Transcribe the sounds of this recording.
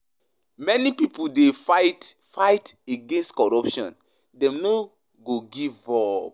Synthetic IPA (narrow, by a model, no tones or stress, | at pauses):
mɛnipipodetfajteɡẽnstkɔɹɔpʃɔ̰̃n | dɛ̃mno | ɡoɡivɔb